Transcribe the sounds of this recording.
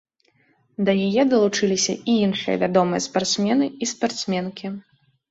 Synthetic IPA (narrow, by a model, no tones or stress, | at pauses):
d̪ɐjajɛd̪ɐlˠut͡ʂɨlʲisʲɐ̰ʔiinʂɨjɐ̰vʲad̪ɔmɨjɐspart̪smʲɛnɨispart̪smʲɛnkʲi